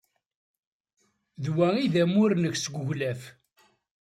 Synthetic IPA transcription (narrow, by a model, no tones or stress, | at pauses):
ðwæiðæmʊɾnəçsɡʷəʝlæf